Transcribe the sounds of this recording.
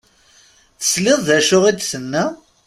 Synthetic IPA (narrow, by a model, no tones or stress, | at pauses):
θə̥slɪðˤðæʃʊʁid̪sənːæ